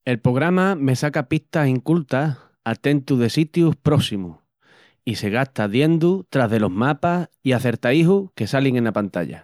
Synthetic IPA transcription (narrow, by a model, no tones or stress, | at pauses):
e̞lpɾo̞ɣ̞ɾamame̞sakapiht̪asiŋkult̪a | at̪e̞nt̪uðe̞sit̪juhpɾo̞simu | ise̞ɣ̞aht̪aðje̞nd̪ut̪ɾaɦðe̞lo̞ɦmapasiaθe̞ɾt̪aiɦuhke̞saliŋe̞napant̪a̰ʎa̰